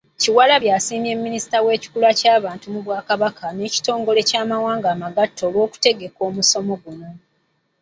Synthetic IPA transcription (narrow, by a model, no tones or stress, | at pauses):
ciwalaβjaːsiːme̞mːinisi̥tawe̞ːci̥kulacaːβaːntumuβwaːkaβakʰaneːci̥to̞ːŋɡo̞le̞caːmawaːŋɡaːmaɡatʰːo̞ːlwo̞ːku̥te̞ɡe̞ko̞ːmuso̞mo̞ɡuno̞